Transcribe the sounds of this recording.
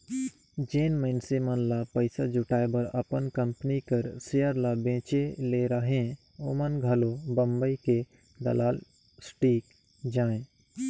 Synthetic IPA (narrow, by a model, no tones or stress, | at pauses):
d͡ʒeːnməɪnsemənlapəɪsad͡ʒʊʈaːebəɾə̰pənkə̃mpənikəɾsejəɾlabẽːt͡ʃeleɾəɦẽ | oːmənɡʱɐlobə̃mbəike | d̪ə̰laːl | sʈiːk | d͡ʒaːẽ